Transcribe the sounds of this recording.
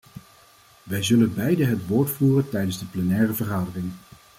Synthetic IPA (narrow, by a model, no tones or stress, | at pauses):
ʋɛjzɵlənbɛjdəɦətʋoːɹtfuːrəntɛjdənzdəplɛnɛːrəvəɹχaːdərɪŋ